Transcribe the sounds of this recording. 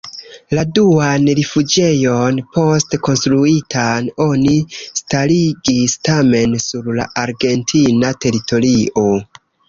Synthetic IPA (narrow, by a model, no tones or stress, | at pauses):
laduanɾifud͡ʒe̞jo̞npo̞stko̞nstɾuitʰano̞nistaɾiɡistame̞nsuɾla̰ʔaɾɡe̞ntʰinate̞ɾitʰo̞ɾio̞